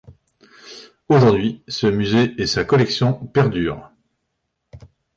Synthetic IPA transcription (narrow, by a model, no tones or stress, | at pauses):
oʒuʁd̪ɥisəmyzeɛsakɔlɛksjɔ̃pɛʁd̪yːʁ